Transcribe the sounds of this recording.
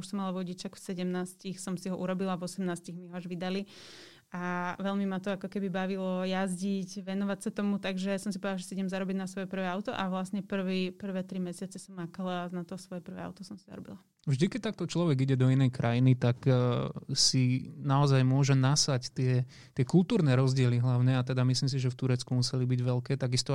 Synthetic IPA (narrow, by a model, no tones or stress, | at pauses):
uʃsɔmːalaʋɔɟit͡ʃaxfsɛɟɛmnaːscixsɔmsiɦɔʔuɾɔbilavɔsɛmnaːsciɣmiɦɔaʒʋid̪ali | aʋɛʎmimat̪ɔakɔkɛbibaʋilɔjazɟicʋɛnɔʋacsat̪ɔmut̪aɡʒɛsɔmsipɔd̪alːaʒɛsiiɲɛmzaɾɔbiɟnasʋɔjɛpr̩ʋɛːaʊt̪ɔʔaʋlasɲɛpr̩ʋipr̩ʋɛːt̪ɾimɛsɪat͡sɛsɔmːakalanat̪ɔsʋɔjɛpr̩ʋɛ̰ːa̰ʊt̪ɔsɔmsi̥za̰ɾɔbḭla | vʒd̪ikɛc̚t̪ak̚t̪ɔt͡ʃlɔʋɛɡiɟɛd̪ɔinɛjkɾʔajinit̪ak | sinaɔzajmʊɔʒɛnasact̪ɪɛ | t̪ɪɛkulˠt̪uːɾnɛɾɔzɟɪɛliɦlaʊɲɛat̪ɛd̪amislims̬iʒɛft̪uɾɛt͡skumusɛlibiɟʋɛlkɛːt̪aɡist̪ɔ